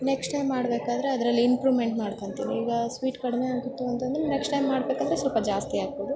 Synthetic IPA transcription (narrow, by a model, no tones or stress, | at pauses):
neksʈɐjmːaːɽbeːkaːd̪ɐɾe̞ɐd̪ɐɾɐlːiimpɾuːʋme̞ɳʈmaːɖkont̪iːniiːɡɐsʋiːʈkɐɽimeaːɡit̪ːuɐnt̪ɐnd̪ɐɾeneksʈɐjmːaːɽbeːkaːd̪ɐɾesɐlpɐd͡ʒaːst̪iaːɡ̚boːd̪u